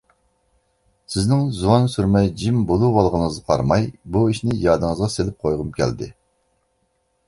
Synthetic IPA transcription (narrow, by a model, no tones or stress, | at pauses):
sɪznɪŋzuwɑnsyɾmɛjd͡ʒimbolˠuwɑlˠʁənəzqʰɑ̰ɾmɑjbuiʃnɪjɑːd̪ɨŋəzʁɑselɪp̚qʰojʁʊmkʲʰɛ̰ld̪ɪ̰